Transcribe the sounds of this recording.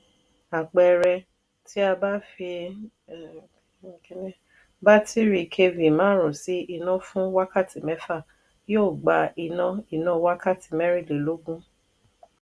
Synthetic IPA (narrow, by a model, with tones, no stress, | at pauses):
a˨k͡pɛ˧ɾɛ˧ | tʰi˦a˧ba˦fi˧˨˦ | n˦ | ba˦tʰi˦ɾi˧kʰe˧vi˨mãː˨˦ɾ̃ũ˨si˨˦i˧nã˦fũ˦wa˦ka˦˨ti˨mɛ˨˦fa˦˨ | jo˦˨ɡ͡ba˨i˧nã˧i˨nã˧˦wa˦ka˦˨ti˨mɛ˦ɾi˦˨le˨˦lo˨˦ɡũ˦